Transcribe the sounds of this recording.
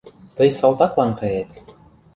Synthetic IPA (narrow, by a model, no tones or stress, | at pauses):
t̪ɤjsɑlˠt̪ɑklˠɑŋkɤjet̪